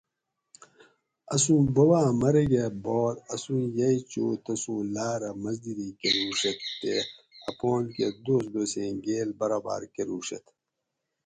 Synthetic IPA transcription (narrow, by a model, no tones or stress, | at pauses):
ɐsũːbɐbaːmɐɾeɡeboːt̪ɐsũːjɐit͡ɕo̰ːt̪ɐsũːlaːɾɐmɐzd̪iɾikeɾuːʂɐt̪ːeɐpoːnked̪oːsd̪oːsẽːɡeːlbɐɾaːba̰ːɾkeɾuːɕɐ̰t̪